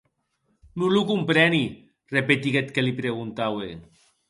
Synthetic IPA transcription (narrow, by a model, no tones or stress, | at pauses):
nulukumpɾeni | repet̪iɣet̪kelipɾeɣunt̪awe